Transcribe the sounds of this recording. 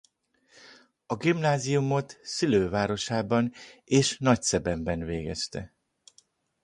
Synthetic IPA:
ɒɡimnaːzijumo̞t̪siløːvaːɾo̞ʃaːbɒneːʃnɒcsɛbɛmbɛnvḛːɡɛst̪ɛ̰

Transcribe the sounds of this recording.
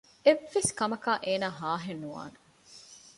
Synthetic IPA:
eʋːeskɐmɐkaːʔeːnaːɦaːɦenːuʋa̰ːne

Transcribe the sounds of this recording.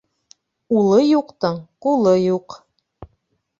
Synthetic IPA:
ulˠɤjuqt̪ɤɴqulˠɤjuq

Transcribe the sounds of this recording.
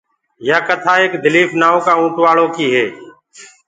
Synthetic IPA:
jaːkət̪ʰaːeːkd̪ɪliːfnaːõːkaːũːʈʋaːɭõːkiːɦeː

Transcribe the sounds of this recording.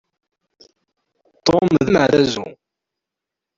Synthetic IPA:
t̪ːomðəmʕɾæzṵ

